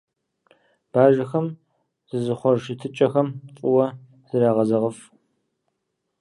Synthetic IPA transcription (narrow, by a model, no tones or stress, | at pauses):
b̥aːʒɐxɐm | z̥ɨzɨχʷɔrʃɨtʰɨt͡ʃʼɐxɐmt͡sʼʊwɐ | z̥ɨɾaːʁɐzɐʁəf